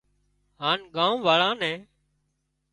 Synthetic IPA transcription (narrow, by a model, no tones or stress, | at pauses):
ɦaːnɠãːũːʋaːɭãːnɛ̃ː